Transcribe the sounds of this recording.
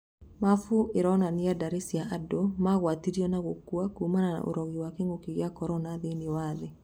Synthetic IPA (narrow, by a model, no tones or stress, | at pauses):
mafueɾɔnanijadaɾesiaʔadomaɣwatiɾiɔnaɣokuakumanana̰ʔo̰ɾɔɣiwakeŋɡokiɣjakɔɾɔnaðeniwaðe